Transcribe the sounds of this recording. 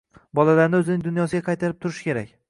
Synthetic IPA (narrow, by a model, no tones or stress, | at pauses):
bɒlalaɾnɪɵzɪnɪŋd̪ʊnjɒsɪɡʲaqʰɑjt̪ʰaɾɪp̚t̪ʰʊɾɪʃkʲe̞ɾa̰kʲ